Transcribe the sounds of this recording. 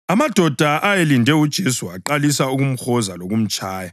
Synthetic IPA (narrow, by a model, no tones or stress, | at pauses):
amad̥ʱɔd̥ʱaʔajelindʱɛud̥ʒ̥ʱesuaǃalisauɣum̩xɔzaloɣum̩t͡ʃʼaːja